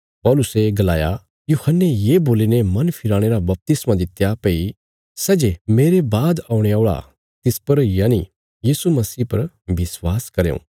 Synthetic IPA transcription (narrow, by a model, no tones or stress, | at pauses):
pɔːlʊseɡɐlaːja | juhənːejeːboːlinemɐ̃npʰɪɾaːɽ̃eɾabɐp̚t̪ɪsmãd̪ɪt̪japei | sɛːd͡ʒemeːɾebaːd̪aːʊɽ̃eaʊɭa̰ | t̪ɪspɐɾjaːnḭ | jiːsumɐsiːpɐɾ | bɪswaːskɐɾejõ̰ː